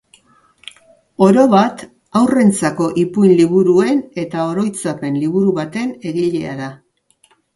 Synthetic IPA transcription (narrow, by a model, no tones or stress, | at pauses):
o̞ɾo̞βat̪ | awre̞nt͡sako̞ʔipujnliβuɾue̞ne̞t̪ao̞ɾo̞jt͡sape̞nliβ̞uɾuβat̪e̞ne̞ɣiʎe̞̰a̰ða